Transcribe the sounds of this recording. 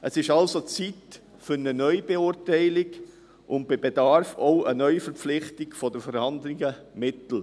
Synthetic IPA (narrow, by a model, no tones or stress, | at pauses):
ʔəsɪʃɑlsot͡sit | fʏɾnənœʏb̥eʊːɾtæɪlɪɡ | ʔʊnt̚b̥ɪbedɑɾfoʊʔənœʏfəɾp͡flɪχtɪɡfɔdəfɔɾhɑnd̪lɪɡəmɪtl̩